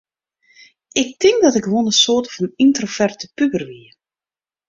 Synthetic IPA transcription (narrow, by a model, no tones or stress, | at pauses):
ɪk̚tɪŋkdɔtɪkʋonəsoːtəfɑnintrofɛrtəpybərʋiə